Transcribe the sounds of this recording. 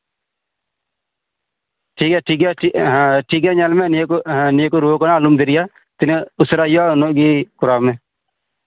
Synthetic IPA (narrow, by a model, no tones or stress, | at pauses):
ʈʰiːkɛːʈʰiːkɛːʈʰiːk̬ɛːɲalmẽnnɪekoɾoːkonaːluːmd̪ɪɾɪjaː | t̪ɪneʊsɾaːjanoɡiːkʊɾaːmeː